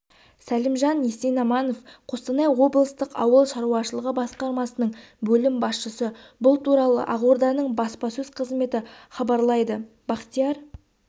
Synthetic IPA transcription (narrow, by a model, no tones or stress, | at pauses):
sælɪmʒɑnjesejnɑmɑnofqʰost̪ənɑjwo̞blˠəst̪əqɑwəlˠʃɑɾuɑʃəlˠəʁəbɑsqɑɾmɑsənəɴ | bɵlɪmbɑsʃəsəbʊlˠt̪ʰuɾɑlˠə̰ʔɑʁoɾd̪ɑnəɴbɑspɑsɵzqʰəzme̞t̪ɪχɑbɑɾlˠɑjd̪ə | b̥ɑqt̪ijɑɾ